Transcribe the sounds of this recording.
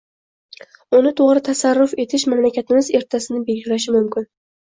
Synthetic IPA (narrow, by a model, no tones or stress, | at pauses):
ʊnɪt̪ʰoʁɾɪt̪ʰasaɾːʊfe̞t̪ʰɪʃmamlakʲat̪ʰɪmɪze̞ɾt̪ʰasɪnɪbe̞lɡʲɪlaʃɪmʊmkʲɪn